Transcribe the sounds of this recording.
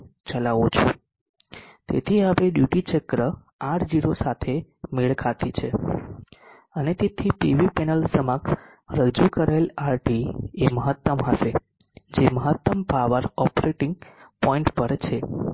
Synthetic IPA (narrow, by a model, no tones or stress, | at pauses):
t͡ʃəlaʋut͡ʃʰũ | t̪ḛt̪ʰiaʋeɗjuʈit͡ʃəkɾə | aʈʰd͡ʒiɾosat̪ʰemeɭkʰat̪it͡ʃʰe | ənet̪et̪ʰipiʋipɛnəlsəmak | ɾəd͡ʒukəɾaelaɾʈieməɦət̪ːəmɦəʃe | d͡ʒeməɦət̪ːəmpaʋəɾɔpɾeʈĩŋɡpɔĩɳʈpəɾt͡ʃʰe